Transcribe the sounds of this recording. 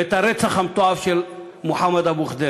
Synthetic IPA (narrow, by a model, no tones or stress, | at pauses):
et̪aɾet͡saχamt̪oavʃel | moħamːad̪abuχd̪e